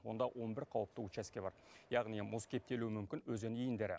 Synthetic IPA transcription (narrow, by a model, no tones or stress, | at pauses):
wo̞nd̪ɑwʔo̞nbɪɾqʰɑwəp̚t̪əut͡ʃæskʲe̞bɑ̰ɾjɑʁnimʊzkʲʰe̞p̚t̪e̞luwɪmʏmkʲɪnwɵzenijɪnd̪e̞ɾɪ̰